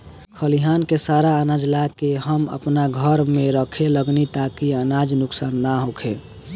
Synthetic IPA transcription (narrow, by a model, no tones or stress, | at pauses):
kʰəliɦankesaɾaənad͡ʒlakeɦəmə̰pnaɡʱəɾmẽɾəkʰeləɡnit̪akiənad͡ʒnʊksaːnːaɦokʰe